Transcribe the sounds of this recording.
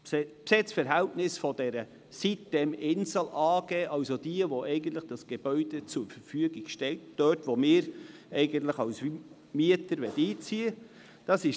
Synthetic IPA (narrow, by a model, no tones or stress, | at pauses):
spsɪt͡sfəɾɦæltnɪsfɔd̥ɛɾə | sitd̥ɛmɪnzəl̩ɑːɡɛːʔɑʊsod̥iəʋoʔɛɪɡən̩t̪ləχd̥ɑsɡ̥eb̥œʏd̥et͡suɾfəɾfyəɡiɡ̥ʃtɛltd̥œtʋomɪːɾɛɪɡənt̪ləχɑws | miətəɾʋɛtiːt͡siə | d̥ɑsɪʃ